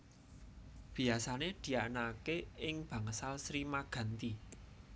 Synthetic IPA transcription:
b̥i̤asaned̪̥i̤anakeɪŋb̥a̤ŋəsalsɾimaɡ̥ä̤nt̪i

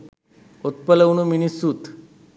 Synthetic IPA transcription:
ot̪pələʋnuminisuːt̪

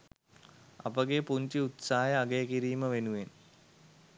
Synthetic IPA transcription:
ɐ̰pɐɡepuɲt͡ɕiut̪saːjɐːɡejkiɾiːməʋenuʋen

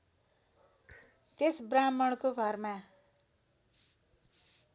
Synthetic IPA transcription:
t̪esbramʌɽ̃koɡʱʌrma

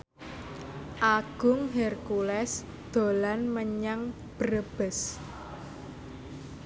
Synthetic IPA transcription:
ʔaɡ̥ʊ̤ŋɦɛrkulɛs | d̪̥o̤lanməɲaŋ | b̥əɾəb̥əs

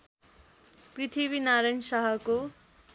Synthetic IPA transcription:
prit̪ʰiβinaɾʌjnsʌɦʌko

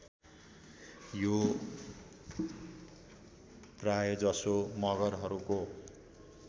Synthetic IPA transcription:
jo | prajod͡zʌsomʌɡʌrɦʌɾuko

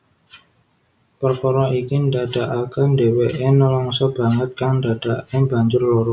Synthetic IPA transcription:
pərkɔɾɔʔikindad̥aʔakandeweʔenɔlɔŋsɔb̥a̤ŋət̪̚kaŋndad̥aʔebaɲd͡ʒʊrlɔɾɔ

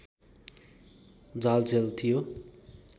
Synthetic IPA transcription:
d͡zalt͡sʰelt̪ʰijo

